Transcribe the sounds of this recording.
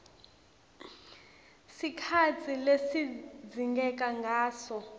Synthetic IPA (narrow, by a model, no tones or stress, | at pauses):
sikʰat͡sʰilesid͡zʱiŋɡɛk̬ʼaŋɡʱaːsɔ